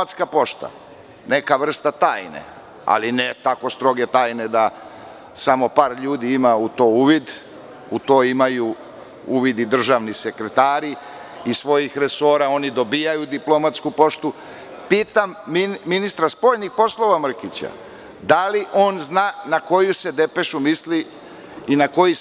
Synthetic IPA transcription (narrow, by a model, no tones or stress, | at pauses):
at̪skapo̞ʃt̪a̰ | ne̞kaʋr̩st̪at̪aːjnḛ | a̰linet̪ako̞st̪ɾo̞ɡe̞t̪aːjne̞d̪a | samo̞paːɾʎuːd̪iimaut̪o̞uʋid̪ | ut̪o̞ːimaju | uʋid̪id̪r̩ʒaʋnise̞kɾet̪aːɾi | isʋo̞jixɾe̞so̞ːɾao̞nid̪o̞bijajud̪iplo̞mat̪skupo̞ʃt̪u | piːt̪amːminist̪ɾaspo̞ːʎnixpo̞slˠo̞ʋamr̩kit͡ɕa̰ | d̪aliʔo̞ːnznaːnako̞jused̪e̞pe̞ʃumisli | inako̞ji